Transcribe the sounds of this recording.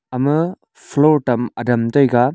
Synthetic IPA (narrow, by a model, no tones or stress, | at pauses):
ɐmɐ | pʰloɾtɐmɐ̰dɐmtɔjɡa